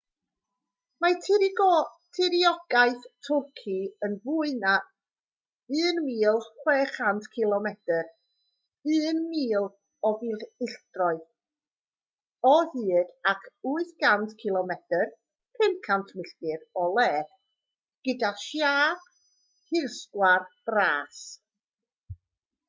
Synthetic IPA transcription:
matʰɪɾiɡɔtʰɪɾiɔɡ̥aɨθtʰʊrkʰiənvuɨna | ɨːnmiːlˠχwɛːχantʰkʰɪlˠɔmɛd̥ər | ɨːnmiːlˠ | ɔvilɪɬd̥rɔɨð | ɔðɨːdakʰuːɨθɡantʰkʰɪlˠɔmɛtər | pʰɪnkʰantʰmɪɬkɨɾɔlˠɛːd | ɡ̥ədaʃjḁː | hɪrskwarb̥raːs

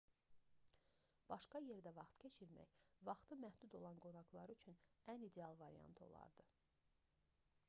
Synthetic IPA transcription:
b̥ɑʃkɑje̞ɾd̪ævɑχt̪cʰet͡ʃʰiɾmæ̰çvɑχt̪ʰɯmæhd̪ud̪o̞lˠɑnɡo̞nɑɡlˠɑɾyt͡ʃʰynænid̪eɑlˠvɑɾḭjɑ̰nt̪ʰo̞̰lˠɑ̰ɾd̪ɯ

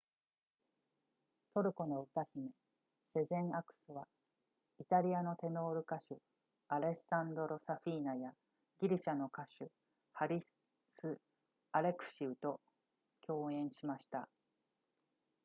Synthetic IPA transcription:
t̪o̞ɾɯ̟ko̞no̞ɯ̟t̪açime̞ | se̞zẽ̞ɰ̃akɯ̟̥sɨβa | it̪aɾʲiano̞t̪e̞no̞ːɾɯ̟kaɕɨ | aɾe̞sãnd̪o̞ɾo̞saɸʲiːnaja | ɡʲiɾʲiɕano̞kaɕɨ | haɾʲi | sɨ | aɾe̞kɯ̟̥ɕiɯ̟t̪o̞ | kʲo̞ːẽ̞ɰ̃ɕimaɕi̥t̪a

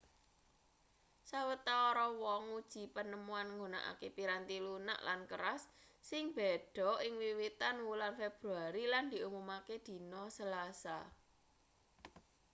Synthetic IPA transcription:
sawət̪aoɾɔwɔŋud̥ʒ̥i̤pənəmuanŋɡuna̰ʔa̰kepiɾant̪iluna̰ʔlʔankəɾasːɪŋb̥e̤ɖ̥ɔ̤ʔɪŋwiwit̪anwulanfeb̥ɾuaɾiland̪̥i̤umumaked̪̥i̤nɔsəlasa

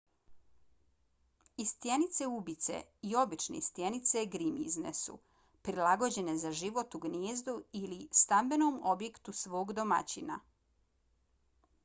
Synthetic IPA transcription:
ist̪je̞nit̪se̞ubit̪se̞̰io̞bit͡ʃne̞̰ist̪je̞nit̪se̞ɡɾimḭznḛsṵ | pɾilaɡo̞d͡ʑe̞ne̞zaʒiʋo̞t̪uɡnjeːzd̪uilist̪ambe̞noːmobje̞kt̪usʋo̞ːɡd̪o̞ma̰t͡ɕina̰

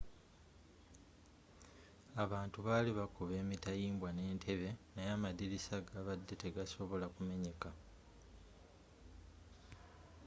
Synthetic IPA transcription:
aβaːntuβaːliβakuβe̞ːmitajiːmbwane̞ːntʰe̞βe̞najamadiɾisaɡaβadːe̞te̞ɡaso̞βo̞lakume̞ɲe̞ka

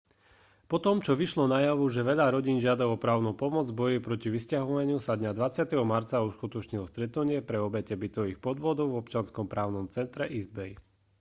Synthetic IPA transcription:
pɔt̪ɔmt͡ʃɔʋiʃlɔnajaʋuʒɛʋɛʎaɾɔɟiːnʒɪad̪aɔpɾaːʊnupɔmɔd͡zbɔjipɾɔciʋiscaɦɔʋaɲɪusad̪ɲad̪ʋat͡sɪat̪ɛɦɔmaɾt͡sauʃkut̪ɔt͡ʃɲilɔst̪ɾɛt̪nuɲɪɛpɾɛɔbɛcɛbit̪ɔʋixpɔd̪ʋɔd̪ɔʊvɔpt͡ʃɪanskɔmpɾaːʊnɔmt͡sɛnt̪ɾɛʔizbɛj

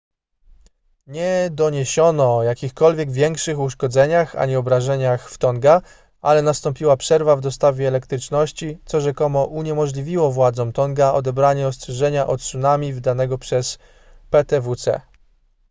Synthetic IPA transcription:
ɲɛd̪ɔɲeɕɔnɔːjakʲixkɔlvʲjɛɡvʲjɛŋkʂɘxuʂkɔd̪zɛɲaxa̰ɲɛɔbɾaʐɛɲaxft̪ɔŋɡa | ʔalɛnast̪ɔmpʲiwapʂɛɾvavd̪ɔst̪avʲjɛːlɛkt̪ɾɘt͡ʂnɔɕt͡ɕit̪sɔʐɛkɔmɔʔuɲɛmɔʐlʲivʲiwɔvwad̪zɔmt̪ɔŋɡaɔd̪ɛbɾaɲɛɔst̪ʂɛʐɛɲaʔɔt̪sunamʲivd̪anɛɡɔpʂɛs | pɛt̪ɛvut̪sɛ̰

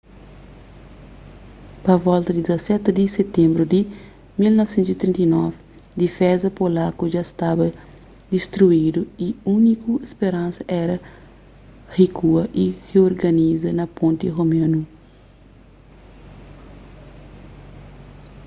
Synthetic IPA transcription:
pɐvɔlt̪ɐd̪id̪izɐsɛt̪d̪iset̪ẽmbɾud̪i | milnɔfsẽnt̪uit̪ɾint̪ɐijnɔv | d̪ifɛzɐpolakuʒast̪abɐ | d̪ist̪ɾuid̪uiunikuespeɾãnsɐʔɛɾɐ | hikuɐʔiheoɾɡɐnizɐnɐpõnt̪iɦomɐ̃nu

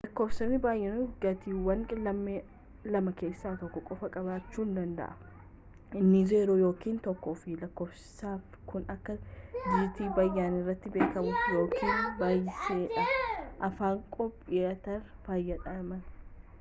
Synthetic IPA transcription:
lɐkːo̞ːfsɐnːɪbaːjːɛnʊɡɐt̪iːwɐnlɐm | lɐmɐke̞ːsːaːt̪ɔkːɔkʼɔfɐkʼɐbaːt͡ʃːuːnd̪ɐnd̪ɐ̰ʔɐ | ɪnːɪzeːɾoːjo̞ːkiːnt̪ɔkːoːfɪlɐkːo̞ːfsɪ̥saːf | kʊnɐkːɐd͡ʒiːt̪iːbɐjːaːnɪrːɐt̪ːɪbeːkɐmʊfjo̞ːkʰiːnbaːjːɪseːᶑɐʔɐfaːŋkʼɔpʼːɪɐt̪ɐɾb̥aːjːɐᶑɐmɐn

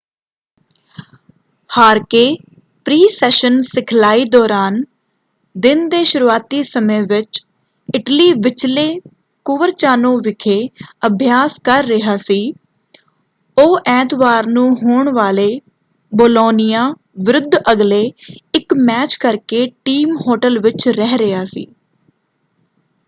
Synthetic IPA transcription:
haːɾkeː | pɾiːsɛːʃənsɪkʰlaːiːd̪ɔːɾaːn | d̪ɪnd̪eːʃʊɾuːaːt̪iːsəmẽːʋɪt͡ʃ | ɪʈliːʋɪt͡ʃleː | kʊʋəɾt͡ʃaːnõːʋɪkʰeːəbʱjaːskəɾːɪɦaːsiː | oːʔɛ̃ːt̪ʋaːɾnũːɦoːɳʋaːleː | boːloːnɪjaː | ʋɪɾʊd̪ʱːəɡleːɪkmɛːt͡ʃkəɾkeːʈiːmhoːʈəlʋɪt͡ʃɾɛɦɾɪɦaːsḭː

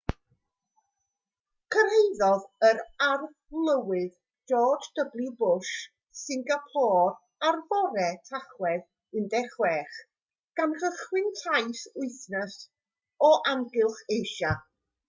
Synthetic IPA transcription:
kʰər̥hejðɔðəɾar | lˠəwɨð | dɔːdd̥əblˠɪbʊʃ | sɪŋɡapʰɔːr | arvɔɾɛtʰaχwɛð | ɪndɛχwɛχ | ɡ̥anr̥əχwɪɨntʰajsʊɨθnəs | ɔʔamɡɪlˠχejʃa

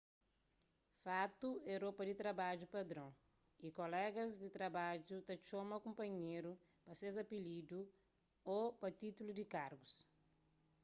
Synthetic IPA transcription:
fat̪uɛɾopɐd̪it̪ɾɐbad͡ʒupɐd̪ɾõ | ikolɛɡɐzd̪it̪ɾɐbad͡ʒut̪ɐt͡ʃomɐkõmpɐɲeɾu | pɐsezɐpilid̪u | opɐt̪it̪ulud̪ikaɾɡus

